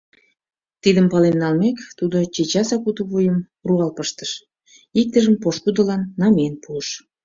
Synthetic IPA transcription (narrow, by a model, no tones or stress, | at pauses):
t̪id̪əmpɑlenːɑlmekt̪ud̪ot͡ɕet͡ɕɑsɑkut̪əβujəm | ruɑlpəʃt̪ə̥ʃ | ik̚t̪əʒəmpoʃkud̪əlɑnːɑmenpuəʃ